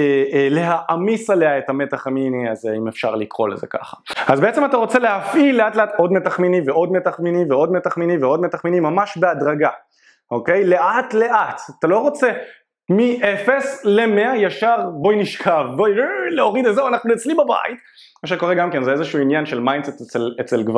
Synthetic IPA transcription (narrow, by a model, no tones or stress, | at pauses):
ele̞ɦaʔamisale̞ae̞tamet̪aχminiazimefʃa̰ʁlikʁo̞̰lḛzḛka̰χḁazbe̞et͡se̞mat̪aʁo̞t͡se̞le̞ɦafʔilːe̞atle̞ato̞dmetaχminiveo̞d̪me̞taχminiveo̞d̪me̞taχminiveo̞dme̞taχminimːamaʃbe̞adʁaɡa | o̞ke̞jle̞ʔatle̞ʔat̪at̪alo̞ʁo̞t͡se | miʔefe̞sle̞me̞ajaʃaʁbo̞jiniʃkʰavboileoʁid̪etzewanaχnuet͡slimbaba̰it | maʃeko̞ʁeɡamke̞nzeezeʃuuinjanʃelmajnset̪et͡selet͡selɡva